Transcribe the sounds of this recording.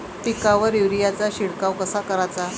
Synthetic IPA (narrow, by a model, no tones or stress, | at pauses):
pikaʋəɾiʋɾijat͡saɕiɽkawkəsakəɾat͡sa